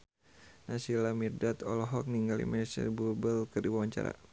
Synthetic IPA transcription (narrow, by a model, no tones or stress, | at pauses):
nasilamirdat̪ɔlɔɦɔk̚niŋɡalḭmɛsə̰rbubəlkɨrdiwawaɲt͡ʃa̰ɾa̰